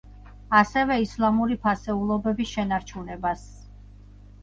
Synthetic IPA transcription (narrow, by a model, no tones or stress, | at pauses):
asɛvɛislˠamuɾipʰasɛulˠɔbɛbisʃɛnaɾt͡ʃʰunɛbas